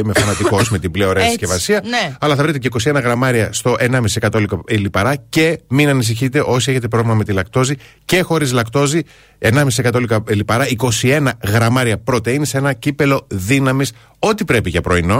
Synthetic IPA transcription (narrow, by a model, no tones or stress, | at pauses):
imefθɐnɐt̪iko̞sme̞t̪ibleo̞ɾeɐscevɐsiɐnɐlɐθɐvɾit̪eceiko̞sie̞nɐɣɾɐmɐɾiɐst̪o̞ʔe̞nɐmisisekɐt̪o̞likɐilipɐɾɐce̞minɐnis̬içit̪e̞ʔo̞sieçe̞t̪̬e̞pɾo̞vlimɐme̞t̪ilɐkt̪o̞zi | ce̞xo̞ɾizlɐkt̪o̞zi | e̞nɐmisise̞kɐt̪olikɐilipɐɾɐiko̞sie̞nɐɣɾɐmɐɾiɐpɾo̞t̪einise̞nɐcipe̞lo̞ðinɐmis | o̞t̪ipɾe̞piʝɐpɾo̞ino̞